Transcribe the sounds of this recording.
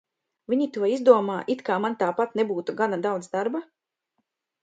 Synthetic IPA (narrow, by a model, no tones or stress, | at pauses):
viɲit̪uɔizd̪uɔmaːʔit̪kaːmant̪aːpat̪nebuːt̪uɡanad̪awd̪zd̪aɾba